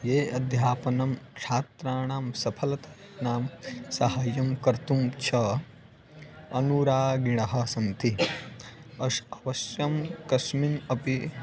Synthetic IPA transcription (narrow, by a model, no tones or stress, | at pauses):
jeːɐd̪ʱjaːpɐnɐmkt͡ʃʰaːt̪ɾaːɳaːmsɐpʰɐlɐt̪ɐnaːmsɐɦɐjɐmkɐɾt̪umt͡ʃʰɐ | ɐnuɾaːɡiɽ̃ɐɦɐ̆sɐnt̪i | ɐʃɐʋɐʃjɐmkɐʃminɐpi